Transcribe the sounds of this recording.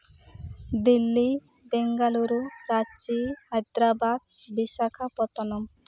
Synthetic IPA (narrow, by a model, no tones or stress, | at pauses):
d̪ilːi | bɛŋɡaluɾuɾat͡ʃihajd̪ɾabad̪̚bisakʰapɔt̪ɔnɔm